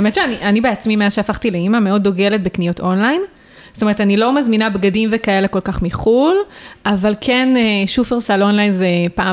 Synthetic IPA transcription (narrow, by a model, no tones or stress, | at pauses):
aemetʃeaniʔanibeat͡smimeazʃeafaχt̪ileimameo̞dːo̞ɡe̞le̞t̚beknijo̞to̞nlajn | stome̞etanilo̞mazminabɡadimvekae̞le̞kolkaχmiχulʔavalkʰeneʃufeʁsalo̞nlajnzepa